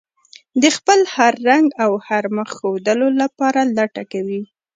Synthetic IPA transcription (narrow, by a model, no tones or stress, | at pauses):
d̪əxpəlhaɾːaŋɡawhaɾməxːod̪əlolapɑɾalaʈakawi